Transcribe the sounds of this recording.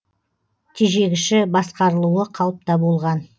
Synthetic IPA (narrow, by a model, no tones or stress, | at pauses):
t̪ʰeʒe̞ɡʲɪʃɪbɑsqɑɾəlˠuəqʰɑw̪ˠəp̚t̪ɑbo̞lˠʁɑn